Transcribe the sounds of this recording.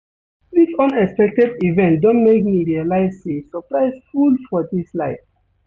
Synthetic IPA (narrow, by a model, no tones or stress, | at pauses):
disɔ̃nɛkspɛk̚tɛdivɛ̃ntdɔ̃ntmekmiɹialaɪzsesɔpɹaɪsfulfɔdislaɪf